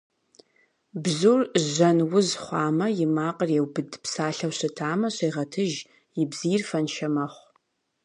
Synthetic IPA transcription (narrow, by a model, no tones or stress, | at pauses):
bzurʑɐnwʊzχʷɑːmɐjɪmaːqʼərjewbɨdpsaːɬɐwɕɨtʰaːmɐɕeːʁɐtʰɨʒ | jɪbz̥ijrfɐnʃɐmɐχʷ